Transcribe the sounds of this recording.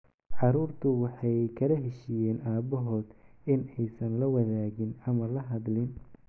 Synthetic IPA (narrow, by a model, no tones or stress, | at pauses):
ʕɑɾuːrt̪ʰʊwɑħɑjkʰɐlɐɦɛʃiːjɛːnʔaːbɔɦɔːd̪̥ɪnɛjsɐnlɐwɐðaːɣɪnɐmɐlɐɦɐd̪lɪn